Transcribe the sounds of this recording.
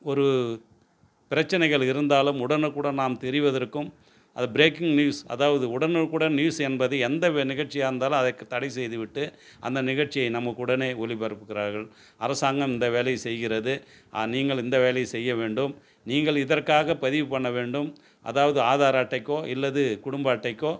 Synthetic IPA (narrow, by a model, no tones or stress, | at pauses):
ɔɾɯ | pɪɾɐt͡ʃːɐnɐɪɣɐɭɪɾɯnd̪aːlɯmʊɽɐnɯkːuːɽɐnaːmt̪ɛɾɪʋɐðɐɾkːɯm | ɐðɯbɪɾeːkɪŋnjuːsɐ̰ðaːʋɐðɯʊɽɐnɯkuːɽɐnnjuːsɛnbɐðɯɛnd̪ɐnɪɣɐɾt͡ʃːɪjaːɪɾɯnd̪aːlɯmɐðɐkːɯt̪ːɐɽɪsɛjðɯʋɪʈːɯ | ʔɐ̰nd̪ɐnɪɣɐɾt͡ʃːɪjɐɪnɐmːɐkːʊɽɐneːɔlɪpɐɾɯpːɯkːɪɾaːɾɣɐɭ | ɐɾɐsaːŋɡɐmɪnd̪ɐʋeːlɐjɐsɛjɣɪɾɐðɯ | ʔa̰niːŋɡɐɭɪnd̪ɐʋeːlɐjɐsɛjːɐʋeːɳɖɯm | niːŋɡɐɭɪðɐrkaːɣɐpɐðɪʋɯpɐɳːɐʋeːɳɖɯm | ʔɐ̰ðaːʋɐðɯaːðaːɾaːʈːɐɪkːoːʔɪlːɐðɯkʊɽʊmbaːʈːɐɪkːoː